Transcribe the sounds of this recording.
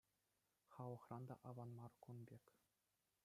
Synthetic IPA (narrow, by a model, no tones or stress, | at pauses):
χɑʋˠɤ̆χrɑnd̪ɑ̰ʔɑʋɑnmɑrkunbʲekʲ